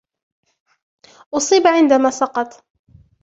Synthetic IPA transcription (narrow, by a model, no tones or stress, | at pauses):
ʔʊsˤiːbʕɪnd̪amaːsɑqɑt̪ˤ